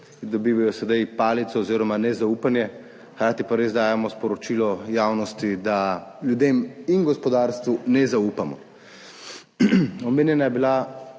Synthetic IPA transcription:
d̪ɔbiːʋajɔsɛd̪ajpaːlit̪sɔːziːɾɔmanɛzaupanjɛ | xɾaːt̪ipaɾeːzd̪aːjɛmɔspɔɾɔt͡ʃiːlɔjaːwnɔst̪id̪aljud̪eminɡɔspɔd̪aːɾst̪ʋunɛzauːpamɔ̰ | ɔmeːnjɛnajɛbila

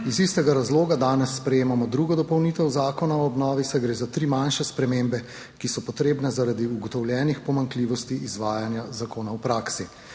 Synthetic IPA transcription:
izist̪ɛɡaɾazloːɡad̪aːnɛsːpɾɛjeːmamɔd̪ɾuɡɔd̪ɔpɔwniːt̪ɛwzaːkɔnaɔɔbnɔːʋisɛɡɾeːzat̪ɾiːmanʃɛspɾɛmembɛ | kisɔpɔt̪ɾeːbnɛzaɾad̪iuɡɔt̪ɔwljɛːnixpɔmaŋkliːʋɔst̪iʔːzʋaːjanjazakoːnawpɾaːksi

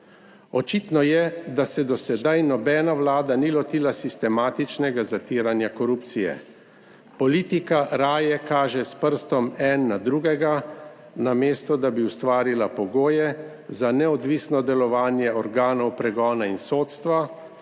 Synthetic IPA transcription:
ɔt͡ʃit̪nɔjɛd̪asɛd̪ɔsɛd̪ajnɔbɛːnaʋlaːd̪anilɔt̪iːlasist̪ɛmaːt̪it͡ʃnɛɡazat̪iːɾanjakɔɾuːp̚t̪sijɛ̰ | pɔliːt̪ikaɾaːjɛkaːʒɛspəɾst̪ɔmɛnːad̪ɾuɡɛɡa | nameːst̪ɔd̪abiwst̪ʋaːɾilapɔɡoːjɛ | zanɛɔd̪ʋisnɔd̪ɛlɔʋaːnjɛɔɾɡaːnɔwpɾɛɡɔːnainsoːt̪st̪ʋa

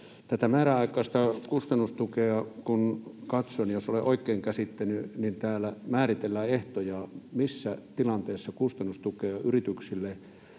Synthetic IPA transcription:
t̪æt̪æmæːɾæɑˑikˑɑˑːst̪ɑkust̪ɑnːust̪ukeɑkunkɑt̪sonjosoleʔoikːˑeːŋkæsit̪ːenynint̪æːlæmæːrit̪elːæːeht̪ojɑmisːæt̪ilɑnt̪eːsːɑkust̪ɑnːust̪ukeɑʔyrit̪yksilːe

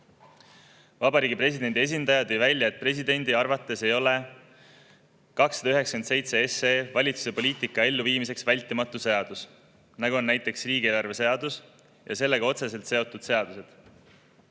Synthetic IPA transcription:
vɑbɑɾiːɡipre̞sʲid̪̥e̞nd̪̥ʲie̞s̬ʲind̪ɑjɑd̪̥ejvælʲjɑet̪̚pre̞s̬id̪e̞nʲd̪iɑrvɑt̪ˑːe̞se̞jo̞le̞ | kɑksːɑd̪ɑyɦe̞ksɑ̥kense̞jt̪se̞eseːvɑlʲit̪su̥se̞po̞lʲiːt̪ikːˑɑe̞lːuviːmise̞ksvælʲt̪ːˑimɑt̪ːˑuse̞ɑd̪̥us | nɑɡuo̞nːæjt̪ːˑe̞ksriːɡieːlɑrve̞se̞ɑd̪̥us | jɑ̰se̞lːe̞ɡ̥ɑo̞t̪se̞se̞lt̪se̞o̞t̪ːˑud̪̥se̞ɑd̪̥use̞d̪̥

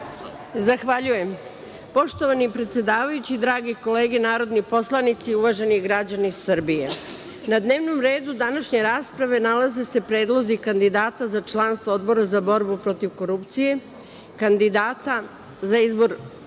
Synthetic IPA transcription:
zaxʋaʎuje̞m | po̞ʃt̪o̞ʋanipɾet̪se̞d̪aːʋajut͡ɕid̪ɾaːɡiko̞le̞ːɡe̞naːɾo̞d̪nipo̞slˠanit̪siuʋaʒe̞niɡɾad͡ʑanisːɨr̩bije̞ | nad̪ne̞ːʋnomɾe̞ːd̪ud̪anaʃɲe̞ɾaːspɾaʋe̞nalaze̞se̞pɾe̞ːd̪lˠo̞zikand̪id̪aːt̪azat͡ʃlˠanst̪ʋood̪bo̞ɾazabo̞ɾbupɾo̞t̪iʋko̞ɾupt̪sije̞ | kand̪id̪aːt̪a | zaizbo̞ɾ

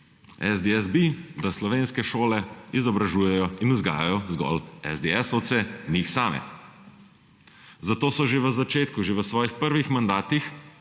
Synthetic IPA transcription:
ɛzd̪eɛzbid̪aslɔʋeːnskɛʃoːlɛizɔbɾaʒuːjɛjɔinuzɡa̰ːjajɔzɡɔ̰lɛ̰zd̪eɛsot̪senixsaːmɛ̰ | zat̪oːsɔʒeʋəzat͡ʃeːt̪kuʒeʋəsʋɔːjixpəɾʋixmand̪aːt̪ix

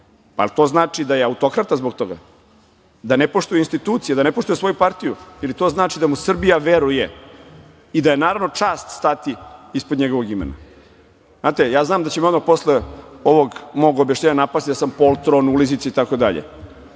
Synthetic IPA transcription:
a̰lit̪o̞ːznaːt͡ʂid̪ajeaut̪o̞kɾat̪azbokt̪o̞ɡa̰ | d̪anepo̞ʂt̪ujeinst̪it̪uːt̪sijed̪anepo̞ʃt̪ujesʋo̞jupaɾt̪ijuilit̪o̞ːznaːt͡ʂid̪amusr̩bijaʋeɾuje | id̪ajenaːɾaʋno̞t͡ʂaːst̪st̪at̪iispod̪ɲeɡo̞ʋoɡimḛna̰ | znaːt̪ejaːznaːmd̪at͡ɕemod̪mapo̞sleo̞ʋoɡmo̞ɡobjaʃɲʲeɲanapast̪id̪asampo̞lˠt̪ɾonulizit̪seait̪ako̞d̪a̰ʎḛ

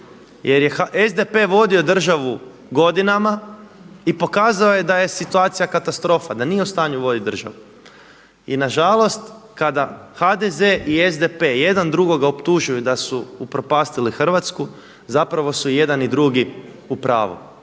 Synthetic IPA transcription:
jʔe̞ɾjexaʔezd̪epeʋo̞d̪io̞d̪r̩ʒaʋu | ɡo̞d̪inama | ipo̞kaːzaoje̞d̪aje̞sit̪uaːt̪sijakat̪ast̪ɾo̞fad̪anije̞ust̪aːɲuʋo̞d̪id̪r̩ʒa̰ʋu | ḭnaʒalˠo̞st̪kad̪axad̪ezeʔiezd̪epe̞jed̪and̪ɾuɡo̞ɡaopt̪uʒujud̪asuːpɾo̞paːst̪ilixr̩ʋat̪sku | zapɾaʋo̞suje̞d̪anid̪ɾuɡi | upɾa̰ːʋṵ

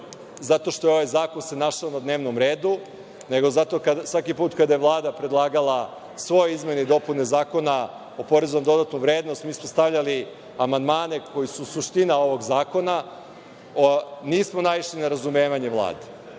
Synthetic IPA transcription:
zat̪o̞ʃt̪o̞jeo̞ʋajzaːko̞nse̞naʃaonad̪ne̞ːʋnomɾe̞ːd̪u | ne̞ɡo̞zat̪o̞kasʋakipuːt̪kad̪ajeʋlˠaːd̪apɾed̪lˠaːɡalˠa | sʋo̞joizme̞nid̪o̞punezaːko̞na | o̞po̞ɾezonomd̪o̞d̪at̪nuʋɾeːd̪no̞st̪miːsmost̪aʋʎali | amand̪maːne̞ko̞jisusuʂt̪inao̞ʋo̞ɡzaːko̞na | niːsmonaiʃlinaɾazumeːʋaɲeʋlˠa̰ːd̪e

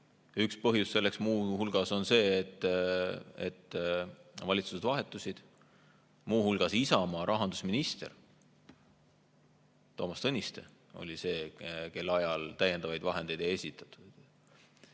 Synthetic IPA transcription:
ykspɤɦjusse̞lːe̞ksmuːhulɡ̥ɑso̞nse̞ːet̪ːˑ | et̪ː | vɑlʲit̪suse̞d̪̥vɑɦe̞t̪ːˑusid̪̥ | muːhulɡ̥ɑsisɑmɑɾʔɑɦɑnd̪usminist̪e̞̰r | t̪o̞ːmɑst̪ɤnʲist̪e̞̰ | o̞̰lʲise̞ːke̞lːɑjɑlt̪æjːe̞nd̪ɑvɑjd̪̥vɑɦe̞n̥e̞jd̪eje̞sʲit̪ːˑɑ̥t̪ːˑud̪̥

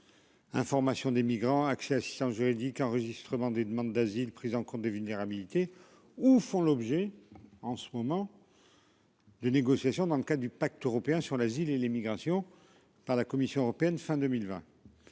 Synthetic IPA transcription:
ɛ̰̃fɔʁmasjɔ̃d̪emiɡʁɑ̃aksɛasi̥st̪ɑ̃sʒyʁid̪ikɑ̃ʁəʒist̪χəmɑ̃d̪ed̪əmɑ̃d̪ːazilpχizɑ̃kɔ̃t̪̚d̪evylneʁabilit̪e | ufɔ̃lɔbʒɛɑ̃sə̥mɔmɑ̃ | d̪əneɡɔsjasjɔ̃d̪ɑ̃ləkad̪ʁəd̪ypak̚t̪øʁɔpeɛ̃syʁlazilelemiɡʁasjɔ̃ | paʁlakɔmisjɔ̃øʁɔpeɛnfɛ̃d̪ømilvɛ̃

